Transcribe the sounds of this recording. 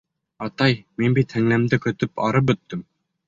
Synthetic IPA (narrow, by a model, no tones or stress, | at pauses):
ɑt̪ɑjminbit̪hæŋlæmd̪ɘkɵ̆t̪ɵpɑ̰ɾɤp̚bɵ̆t̪ːɘm